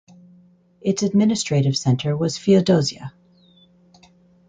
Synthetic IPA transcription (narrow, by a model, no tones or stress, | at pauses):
ʔɨtsɨd̚mɪ̃nɨstɹ̥eɪɾɨv̥sɛ̃ntʰə˞wʌz̥fiɨdoʊziɨ̰